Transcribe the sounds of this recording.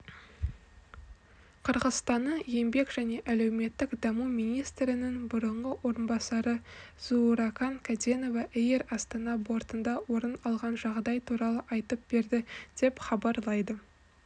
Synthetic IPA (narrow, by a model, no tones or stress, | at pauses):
qʰəɾʁəst̪ɑnːəjembe̞kʒ̥æne̞ʔæle̞wme̞t̪ːɪkd̪ɑmumijnijst̪ɾɪnɪŋbʊɾəɴʁəwo̞ɾənbɑsɑɾəz̥uɾɑkɑŋkʰad̪eno̞vɑʔejeɾɑst̪ɑnɑbo̞ɾt̪ənd̪ɑwo̞ɾənɑlˠʁɑnʒɑʁd̪ɑjt̪ʰuɾɑlˠəʔɑjt̪əp̚b̥e̞ɾd̪ɪd̪̥e̞pχɑbɑɾlˠɑjd̪ə